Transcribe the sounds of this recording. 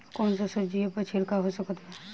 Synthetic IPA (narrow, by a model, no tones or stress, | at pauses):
kɔːnsasəd͡ʒiepət͡ʃʰiɾkaɦosəkt̪ɦɛ